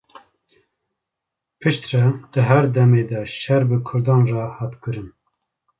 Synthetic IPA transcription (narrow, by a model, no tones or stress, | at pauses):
pʰɨʃt̪rɛd̪̥ɨɦæɾd̪ɛmeːd̪ɛʃɛɾbɨkʰʊɾd̪ɑːnrɑhɑːt̪kɨɾɨn